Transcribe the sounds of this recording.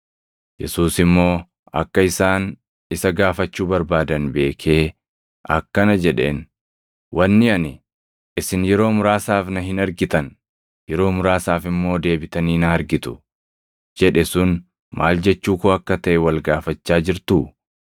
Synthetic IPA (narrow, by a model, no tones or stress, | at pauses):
jɛ̰suːsɪmːo̞ː | ɐ̰kːɐɪsaːn | ɪsɐɡaːfɐt͡ʃːuːbɐɾbaːd̪ɐnbe̞ːkʰe̞ː | ɐ̰kːɐnɐd͡ʒɛᶑe̞̰ːn | wʔɐnːɪɐnɪ | ɪsɪnjɛɾo̞ːmʊɾaːsaːfnɐɦɪnɐɾɡɪt̪ɐn | jɛɾo̞ːmʊɾaːsaːfɪmːo̞ːd̪e̞ːbɪt̪ɐniːnɐɐɾɡɪt̪ʊ̥ | d͡ʒɛᶑɛsʊn | mʔa̰ːld͡ʒɛt͡ʃːuːkoːɐkːɐt̪ɐʔɛwɐlɡaːfɐt͡ʃːaːd͡ʒɪɾt̪ʊ